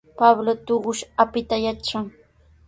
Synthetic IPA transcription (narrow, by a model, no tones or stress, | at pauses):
pablot̪oɢʊʃapɪt̪ajat͡ʃaŋ